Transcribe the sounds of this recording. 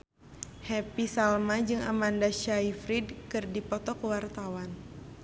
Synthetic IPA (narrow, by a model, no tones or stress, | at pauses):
hɛpisalmad͡ʒɨŋamandaʃaifɾidkɨrdipɔt̪ɔkəwart̪awan